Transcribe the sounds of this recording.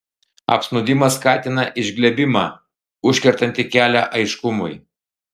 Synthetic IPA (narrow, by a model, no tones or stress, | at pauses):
ɐ̰psnʊd̪ʲɪmɐskɑːt̪ʲɪnɐʔɪʒʲɡlʲɛbʲɪmɑː | ʊʃʲkʲɛɾt̪ɐnʲt̪ʲɪkʲæːlʲæʔɐɪʃkʊmʊɪ